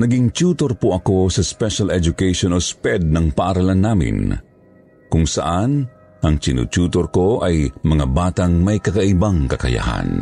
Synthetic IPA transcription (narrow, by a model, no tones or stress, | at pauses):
nɐɡɪŋt͡ʃuːt̪oɾpoʔɐko̞sɐspɛʃalɛd͡ʒʊkɛjʃonɔspɛd̪̚nɐŋpaʔaɾalanːaːmɪ̰n | kʊŋsɐ̰ʔan | ʔɐŋt͡ʃɪnʊ̰t͡ʃuːt̪oɾko̞ʔajmɐŋabaːt̪aŋmɐjkɐkaʔɪbaŋkɐkɐ̰ja̰ha̰n